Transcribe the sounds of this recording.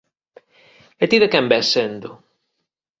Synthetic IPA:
et̪iðekɛmbɛsend̪ʊ

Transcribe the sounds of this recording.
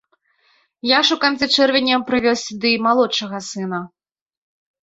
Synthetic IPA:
jaʂukant̪sɛt͡ʂɛrvʲɛnʲːɐwpɾɨvʲɔwsʲd̪ɨmalˠɔt͡ʂɐɣɐsɨnɐ

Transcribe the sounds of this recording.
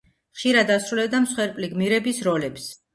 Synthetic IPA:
χʃiɾad̪asɾulɛbd̪amsχwɛɾpʼliɡmiɾɛbisɾɔlɛps

